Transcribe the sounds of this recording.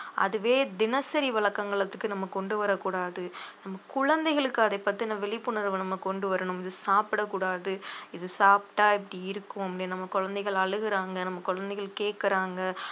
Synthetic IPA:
ʔɐ̰ðɯʋeːd̪ɪnɐsɐɾiʋɐɭɐkːɐŋɡɐɭɐt̪ːɯkːɯnɐmːɐkɔɳɖɯʋɐɾɐkːuːɽaːðɯnɐmːɐkʊɻɐnd̪ɛɪɣɐɭɯkːɯɐðɐɪpːɐt̪ːɪnːɐʋɛɭɪpːɯnɐɾʋɯnɐmːɐkɔɳɖɯʋɐɾɐɳʊ̃mɪðɯsaːpɪɽɐkːuːɽaːðɯɪðɯsaːpʈaːɛpːɐɽiɪɾɯkːɯmɐmːɐlɪɐnɐmːɐkɔɻɐnd̪ɐɪɣɐɭɐɻɯɣɪɾaːŋɡɐnɐmːɐkɔɻɐnd̪ɛɪɣɐɭkeːʈkɪɾaːŋɡɐ

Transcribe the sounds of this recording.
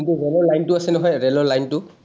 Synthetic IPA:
intuɹɛlɔɹlajntʊasɛnɔɦɔjɹɛlɔɹlajntʊ

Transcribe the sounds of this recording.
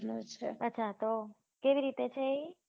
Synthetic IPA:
not͡ʃʰeətːt͡ʃʰat̪o | keʋiɾit̪et͡ʃʰee

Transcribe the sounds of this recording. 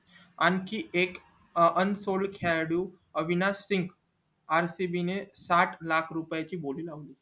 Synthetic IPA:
ankieːk | ənsoːlkʰaɽu | əʋinasɪ̃ŋɡ | aːɾsibinesaːʈʰlaːkʰɾupjet͡ɕiboːlilaũli

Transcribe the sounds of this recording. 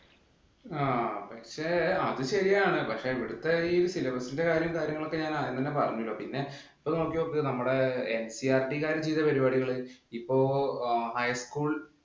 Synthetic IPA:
aːpɐkʂeːɐðɨɕɐɾijaːɳɨpɐkʂe̞iʋiɽut̪ːɐioɾusilɐbɐsinde̞kaːɾjɐmkaːɾjɐŋːɐɭo̞kːe̞ɲaːnaːjɐnt̪ɐnːepɐrɐɲːuilːoːpinːe̞ | ipːoːno̞ːkːjijoːkːinɐmːuɽe̞ensiaːrʈikaːɾɐd͡ʑiːðɐpɐɾibaːɽiɣɐɭɨipːo̞ːhɐjskuːɭ

